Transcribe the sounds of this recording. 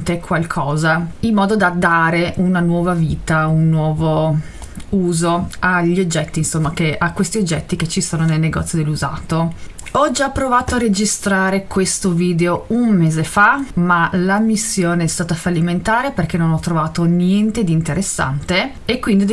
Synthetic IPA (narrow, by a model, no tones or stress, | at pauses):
t̪ekʰwalkʰɔːzailmːɔːd̪od̪ad̪aːɾeʔunanwɔːvaviːt̪aunːwɔːvo | uːzoaʎːiod͡ʒːɛt̪ːinsomːakeʔakwest̪iod͡ʒːɛt̪ːiket͡ʃːisoːnonelneɡɔ̰t̪sːjod̪elːuza̰ːt̪o | ɔd͡ʒapːɾovaːt̪oared͡ʒist̪ɾaːɾekwest̪oviːd̪eounmeːzefamalamisːjoːneɛst̪aːt̪afalːiment̪aːɾeperk̟enonɔt̪ːɾovaːt̪onjɛnt̪ed̪iːnt̪eɾʔesːa̰nt̪e | ekːwind̪id̪